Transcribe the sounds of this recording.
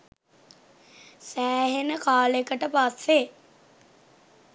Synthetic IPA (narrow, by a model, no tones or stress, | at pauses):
sæːɦenəkaːlekəʈəpasːe